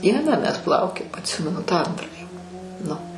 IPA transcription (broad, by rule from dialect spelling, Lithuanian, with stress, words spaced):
ˈdʲiɛnɑː mʲɛs ˈplˠɐʊkʲoːjoːm ɐtʲˈsʲɪmʲɛnʊ tɑː ˈɐntrɑː jɛʊ nʊ